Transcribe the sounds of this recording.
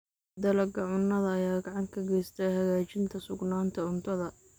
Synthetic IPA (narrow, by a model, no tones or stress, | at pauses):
d̪ɐlɐɡɐʕʊnːɐðɐɐjaːɡɑʕɑŋkʰɐɡɛjst̪ʰɛhɐɣaːt͡ʃɪnt̪ʰɐsʊɡnaːnt̪ʰɐʊnt̪ʰɐðɐ